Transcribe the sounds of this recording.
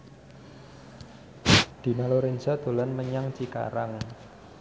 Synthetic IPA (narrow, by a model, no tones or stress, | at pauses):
d̪̥i̤naloɾensad̪̥o̤lanməɲaŋt͡ʃika̰ɾaŋ